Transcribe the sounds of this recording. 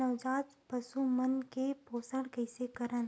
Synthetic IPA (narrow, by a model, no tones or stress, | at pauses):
ɐʋd͡ʒaːt̪ | pɐsumənkepoːsəɽkəɪsekɐɾən